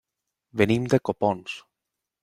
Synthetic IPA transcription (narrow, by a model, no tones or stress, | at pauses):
benimd̪ekopɔns